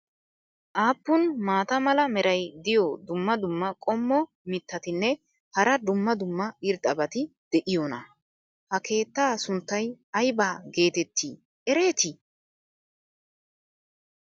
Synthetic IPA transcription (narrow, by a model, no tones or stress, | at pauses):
ʔaːpːʊnmaːt̪ɐmɐlɐmɛɾʔɐjd̪ɪjɔd̪ʊmːɐd̪ʊmːɐkʼɔmːɔ | mɪt̪ːɐt̪ɪnːɛ | hɐɾɐd̪ʊmːɐd̪ʊmːɐɪɾd̪ɐbɐt̪ɪd̪̥ɛʔɪjonɐ̰ | hɐkʰe̞ːt̪ːaːsʊnt̪ːɐjɐjbaːɡe̞ːt̪ɛt̪ːiː | ʔɛɾeːt̪ɪ